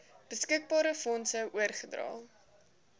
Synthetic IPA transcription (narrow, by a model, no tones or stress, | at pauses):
b̥əskək̚bɑːɾəfɔnsəʔuərχədrɑ̰ːlˠ